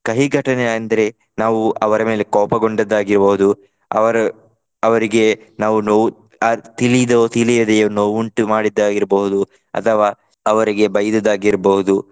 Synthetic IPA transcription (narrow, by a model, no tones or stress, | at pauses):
kɐɦiɡʱɐʈɐneɐnd̪ɐɾe̞ | naːʋuʔɐʋɐɾɐme̞ːle̞kɔːpɐɡoɳɖɐd̪ːaːɡiɾboɦud̪u | ɐ̰ʋɐɾɐ | ɐʋɐɾiɡe̞ | naːʋuno | t̪ilid̪ot̪ʰilijɐd̪ejonoːʋuɳʈumaːɽid̪ːaːɡiɾbɐɦud̪u | ɐ̰t̪ʰɐʋaː | ɐʋɐɾiɡe̞bɐjɐd̪ɐd̪aːɡiɾboɦud̪u